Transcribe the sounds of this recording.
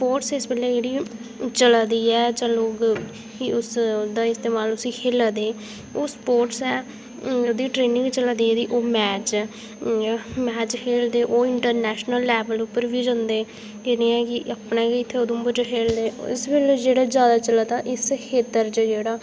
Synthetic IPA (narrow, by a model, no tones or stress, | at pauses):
spoːʈsɪsbəleːd͡ʒeːɽiːt͡ʃəlːd̪iːɛːd͡ʒãːloːɡ | iʊsd̪aːɪst̪eːmaːlʊsiːkʰeːlad̪eː | oːspoːʈsɛː | oːd̪iːʈɾeːnɪ̃ŋɡt͡ʃəlaːd̪iːɛːd̪iːʔoːmɛːt͡ʃː | mɛːt͡ʃkʰeːld̪eːʔoːɪɳʈəɾnɛːʃnəlːɛːbəlupːəɾʋiːd͡ʒə̃nd̪eː | d͡ʒenẽːɛːkɪəpnẽːkɪɪt̪ʰːeoːd̪õːbəd͡ʒakʰeːld̪eːɪsbɪled͡ʒeːɽaːd͡ʒjaːd̪aːt͡ʃəlaːd̪aːʔɪskʰeːt̪ːəɾt͡ʃəd͡ʒeːɽaː